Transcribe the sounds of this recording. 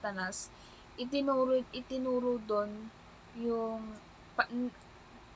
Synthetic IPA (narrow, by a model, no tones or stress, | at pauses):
t̪ɐnas | ʔɪt̪ɪnuːɾʔɪt̪ɪnuːɾʊd̪on | jʊŋ | p